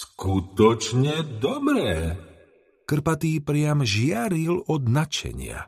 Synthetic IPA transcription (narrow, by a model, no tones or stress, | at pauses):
skut̪ɔt͡ʃɲɛd̪ɔbɾɛː | kr̩pat̪iːpɾɪamʒɪaɾilɔd̪nat͡ʃɛ̰ɲɪa̰